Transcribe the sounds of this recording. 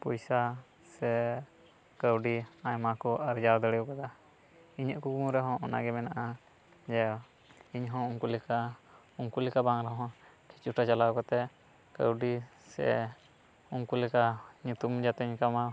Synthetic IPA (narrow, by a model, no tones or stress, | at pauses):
pɔjsa | sɛ | kəwɖiajmakɔʔaɾd͡ʒaɾd̪əɽɛjɔkad̪a | iɲəʔkukumuɾɛɦɔ̃ʔɔna̰ɡɛmɛnaʔa | d͡ʒɛ | iɲɦɔ̃uŋkulika | uŋkulɛkabaŋɾɛɦɔ̃ | kʰit͡ʃuʈat͡ʃalakɔt̪ɛ | kə̰wɖisɛ̰ | uŋkulɛkaɲut̪umd͡ʒat̪ɛɲkama